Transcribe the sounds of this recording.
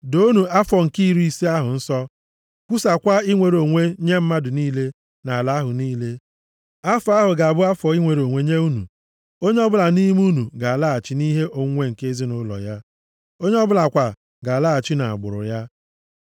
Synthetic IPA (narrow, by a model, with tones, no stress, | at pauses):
do˦nu˨a˦fɔ˨ŋ̩˨ki˦ɾu˦i˦˨si˦a˦ɦʊ˨n̩˦sɔ˦ | kʷu˦sa˨kʷa˦i˦ŋʷe˨ɾo˨ŋʷe˦ɲe˦m̩˦ma˦dʊ˨niː˦le˦ | na˨a˨la˦ɦʊ˨niː˦le˦ | a˦fa˦ɦʊ˨ɡa˨a˨bʊ˦a˦fɔ˨i˦ŋʷe˨ɾo˨ŋʷe˦ɲe˦u˦nṵ˨ | o˦ɲe˦ɔ˦bʊ˦la˨ni˦ɦi˦m˦u˦nu˨ɡa˨a˨la˦a˨t͡ʃɪ˦ni˦ɦe˦ʔo˨ŋʷe˦ŋ̩˨ke˦zi˦nʊ˦lɔ̰˨ja˦ | o˦ɲe˦ɔ˦bʊ˦la˨kʷa˨ | ɡa˨la˦a˨t͡ʃɪ˦na˨a̰˨ɡ͡bʊ̰˨ɾʊ̰˨ja˦